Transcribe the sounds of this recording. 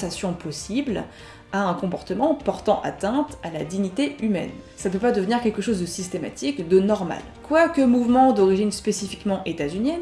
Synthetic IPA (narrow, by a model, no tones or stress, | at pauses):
sasjɔ̃pɔsibl | aɛ̃kɔ̃pɔʁt̪əmɑ̃pɔʁt̪ɑ̃ʔa̰t̪ɛ̃t̪alad̪iɲit̪eymɛ̰n | sapøpad̪əvəniʁkʲɛlkəʃozd̪əsist̪ema̰t̪ikd̪ənɔʁma̰l | kwakəmuvmɑ̃d̪ɔʁiʒinspesifikmɑ̃ʔet̪azynjɛn